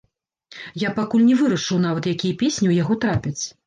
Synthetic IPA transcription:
japakulʲnʲɛvɨɾɐʂɨwn̪avɐt̪jakʲijɐpʲesʲnʲiwjaɣɔt̪ɾapʲɛt͡sʲ

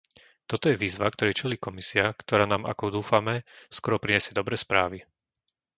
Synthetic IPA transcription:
t̪ɔt̪ɔjɛʋiːzʋak̚t̪ɔɾɛjt͡ʃɛliːkɔmisiakt̪ɔɾaːnaːmʔa̰kɔd̪uːfamɛskɔɾɔpɾiɲɛsɪɛd̪ɔbɾɛːspɾaːʋi

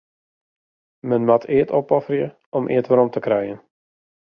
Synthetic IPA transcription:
mənmatʰɪətɔpɔfərjə | ɔmʔɪ̰ːətʋəɾɔmtəkrɛjən

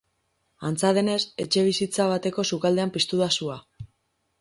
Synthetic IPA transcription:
ant͡saðe̞ne̞se̞t͡ʃe̞β̞isit͡saβ̞at̪e̞ko̞sukald̪e̞ampist̪uðasua

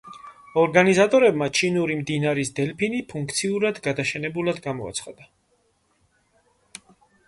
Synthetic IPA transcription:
ɔɾɡanizat̪ʼɔɾɛbmat͡ʃʰinuɾimd̪inaɾisd̪ɛlpʰinipʰuŋk̚ʰt̪sʰiuɾad̪ɡad̪aʃɛnɛbulad̪ɡamɔa̰t̪sʰχad̪a

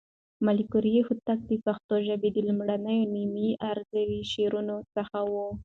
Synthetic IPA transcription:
malikʊɾjehut̪ak̚d̪əpaxt̪oʒabed̪əlumɽanəjonimiaɾzawiʃeɾunot͡səxawu

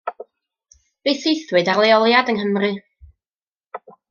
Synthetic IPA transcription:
b̥eθejθwɨdalˠeɔlˠjadəŋɦəmrɨ

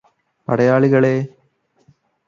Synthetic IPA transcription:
pɐɽɐjaːɭiɣɐɭeː

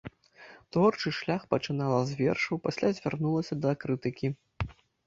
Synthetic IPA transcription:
t̪vɔrt͡ʂɨʂlʲaxpɐt͡ʂɨnalˠɐzʲvʲɛ̰rʂɐwpasʲlʲazʲvʲarnulˠɐsʲɐd̪ɐːkɾɨt̪ɨkʲi

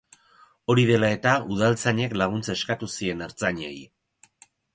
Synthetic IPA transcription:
o̞ɾiðe̞lae̞t̪auð̞alt͡saɲe̞klaɣ̞unt͡se̞skat̪usie̞neɾt͡saɲḛj

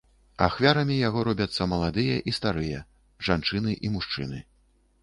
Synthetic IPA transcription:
axvʲaɾɐmʲijaɣɔɾɔbʲɐt̪sːɐmɐlˠad̪ɨjɐʔist̪aɾɨjɐ | ʐant͡ʂɨnɨʔimuʂt͡ʂɨ̰nɨ̰

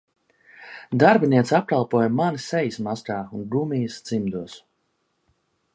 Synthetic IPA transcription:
d̪aɾbiniɛt̪sap̚kalˠpuɔjmanisɛjismaskaːunɡɾumijst̪z̥imd̪uɔs

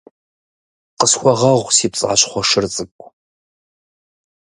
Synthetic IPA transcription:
qəsxʷɔʁɐʁʷsiːpt͡sʼɨ̰ʁa̰ɕχʷɔʂɨrt͡sʼɨkʷʼ

